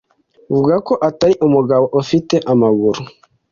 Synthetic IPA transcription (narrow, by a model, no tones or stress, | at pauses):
vuɡakɔʔataiʔomuɡawɔʔofitɛʔamaɣuɾu